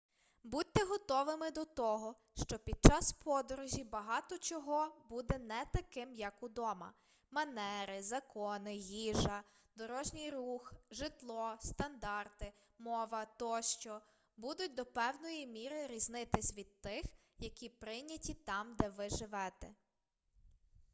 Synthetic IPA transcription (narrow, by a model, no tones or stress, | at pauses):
bud̚ʲt̪ːɛɦɔt̪ɔʋɪmɪd̪ɔt̪ɔɦɔ | ʃt͡ʃɔpʲid̪̚t͡ʃɑspʰɔd̪ɔɾʊʒʲibɐɦɑt̪ɔt͡ʃɔɦɔbud̪ɛnɛt̪ɐkɪmjɐkud̪ɔmɐ̰ | mɐnɛɾɪzɐkɔnɪɦʲiʒɐ | d̪ɔɾɔʒnʲijɾuxʒɪt̪lˠɔst̪ɐnd̪ɑrt̪ɪ | mɔʋɐt̪ɔʃt͡ʃɔ | bud̪ʊt̚ʲd̪ɔpɛwnɔjimʲiɾɪɾʲiznɪt̪ɪsʲʋʲid̪̚t̪ɪx | jɐkʲipɾɪjnʲɐtʲit̪ɑmd̪ɛʋɪʒɪʋɛt̪ɛ̰